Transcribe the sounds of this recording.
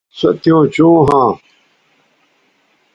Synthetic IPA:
sɐ̰t̪ijõːt͡ɕõːɦãː

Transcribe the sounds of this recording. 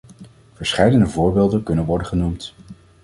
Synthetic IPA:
v̥əɹsχɛjdənəvʊːɹbeːlˠdənkɵnənʋɔɹdəχənumt

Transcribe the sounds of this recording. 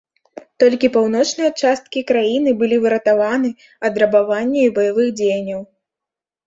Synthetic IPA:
t̪ɔlʲkʲipawnɔt͡ʂnɨjɐt͡ʂast̪̚kʲikɾajinɨbɨlʲivɨɾɐt̪avanɨ | ɐd̪ɾɐbavanʲːɛibɐjavɨɣd͡zʲejnʲːɐw

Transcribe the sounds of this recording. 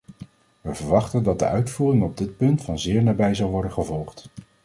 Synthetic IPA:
ʋəvəɹʋɑχtəndɑt̚də̰ʔœɥtfuːrɪŋɔb̚dɪt̚pɵntfɑnzɪːɹnaːbɛjzɑwʋɔɹdənχəvɔlˠχt

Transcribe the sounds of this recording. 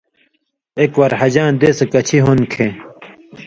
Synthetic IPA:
ekwɐɾhɐd͡ʑãːd̪eːsekɐt͡ɕʰiɦonkʰẽ

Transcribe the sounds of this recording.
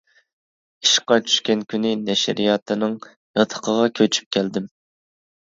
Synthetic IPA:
iʃqɑt͡ʃʰy̥ʃkʲɛnkʲʰynɪnɛʃɾijɑːt̪ʰɨnɨŋ | jɑt̪ʰə̥qʰəʁɑkʲʰøt͡ʃʰy̥p̚kʲʰɛld̪ɪm

